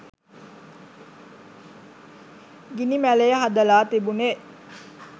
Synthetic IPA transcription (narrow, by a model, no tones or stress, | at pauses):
ɡinimælejəɦad̪əlaːt̪ibune